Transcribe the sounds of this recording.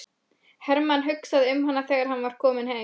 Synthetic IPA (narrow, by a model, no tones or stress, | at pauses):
hɛɾmanɦʏksaðʏmɦanːaθɛːɣaɾ̥hanːvaɾ̥kʰɔːmɪnhe